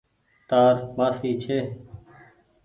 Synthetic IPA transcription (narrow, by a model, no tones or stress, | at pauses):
t̪aːɾmaːfiːt͡ʃʰeː